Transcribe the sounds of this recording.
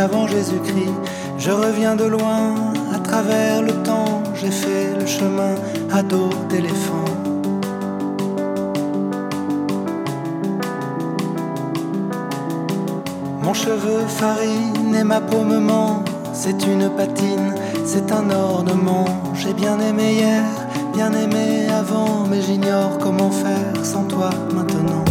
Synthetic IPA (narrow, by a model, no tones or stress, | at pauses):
avɑ̃ʒezykχi | ʒəʁəvjɛ̃d̪əlwɛ̃at̪χavɛʁlət̪ɑ̃ | ʒefɛləʃəmɛ̃ | ad̪od̪elefɑ̃ | mɔ̃ʃəvøfaʁinɛmapoməmɑ̃ | sɛt̪ynpat̪in | sɛt̪ɛ̃nɔʁnəmɑ̃ | ʒebjɛ̃nemejɛʁ | bjɛ̃nemeavɑ̃mɛʒiɲɔʁkɔmɑ̃fɛ | ʁsɑ̃t̪wa | mɛ̃t̪ənɑ̃